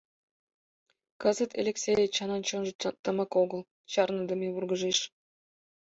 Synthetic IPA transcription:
kɤzə̆t̪ʰḛlʲeksʲeet͡ɕɑnɑnt͡ɕonʒə̆t̪ə̆mɑkoɣɤ̆lˠ | t͡ɕɑrnɤ̆d̪ə̆mʲeβurɡə̆ʒeʃ

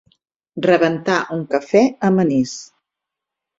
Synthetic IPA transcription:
rəβənt̪aʔuŋkəfɛəmənis

